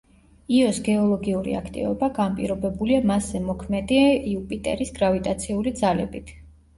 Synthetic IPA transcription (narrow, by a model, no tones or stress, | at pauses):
iɔsɡɛɔlˠɔɡiuɾḭa̰kʰt̪ʼḭvɔbaɡanpʼḭɾɔbɛbuliamaszɛmɔkʰmɛd̪iaiupʼit̪ʼɛ̰ɾisɡɾavit̪ʼat̪sʰiulid̪zalɛ̰bit̪ʰ